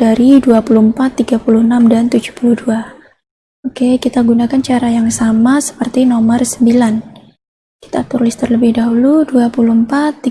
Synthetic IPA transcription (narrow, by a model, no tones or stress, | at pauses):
d̥aɾiduapuluhmpat̪ːiɡapuluhənamdant̪ud͡ʒu̥hpuluhdua | okekit̪aɡunakant͡ʃaɾajaŋsamasə̥pərt̪inɔmərsəmbilan | ki̥t̪a̰t̪uɾulɪst̪ərləbɪhdaɦuluduapuluhmpat̪ːi